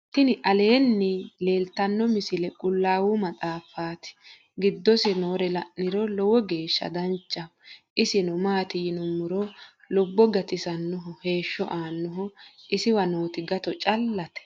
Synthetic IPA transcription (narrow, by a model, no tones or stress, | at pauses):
t̪ɪnɪʔɐle̞ːnːɪle̞ːlt̪ɐnːɔmɪsɪlɛkʼʊlːaːwʊmɐtʼaːfaːt̪ɪ̥ | ɡɪd̪ːɔsɪnoːɾɛlɐʔːɪɾɔlɔwɔɡe̞ːʃːɐ̰d̪ɐnt͡ʃʼːɐʔɪsɪnɔmaːt̪ɪjɪnʊmːʊɾɔ | lɔbːɔɡɐt̪ɪsɐnːɔɦɔhe̞ːʃːɔʔaːnːɔɦɔʔɪsɪwɐnoːt̪ɪɡɐt̪ɔt͡ʃʼɐlːɐt̪ɛ̥